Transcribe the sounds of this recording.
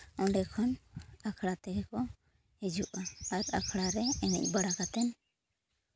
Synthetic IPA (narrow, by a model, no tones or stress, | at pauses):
ɔɳɖɛkʰɔnakʰɽat̪ɛɾɛkɔ | hɛd͡ʒuʔaaɾakʰɽaɾɛɛnḭc̚ˀbəɽakat̪ɛn